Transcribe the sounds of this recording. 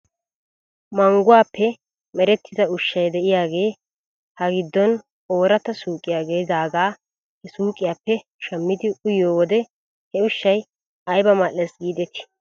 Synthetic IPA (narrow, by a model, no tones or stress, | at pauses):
mɐŋɡʊwaːpːɛ | mɛɾɛt̪ːɪzɐʊʃːɐjd̪ɛʔɪjaːɡe̞ː | hɐɡɪd̪ːɔn | o̞ːɾɐt̪ɐsuːkʼɪjaːɡe̞ːd̪aːɡaː | hɛsuːkʼːɪjaːpːɛ | ʃɛmːɪd̪ɪʊjoːwɔd̪ɛ | hɛʊʃːɐj | ɐjbɐmalːɛsɡiːd̪ɛt̪ɪ̥